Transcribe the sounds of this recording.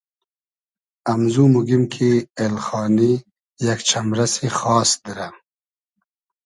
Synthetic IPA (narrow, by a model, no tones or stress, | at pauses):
amzumuɡimkʰielxɑːni | jakt͡ʃʰamɾasixɑːsd̪iɾa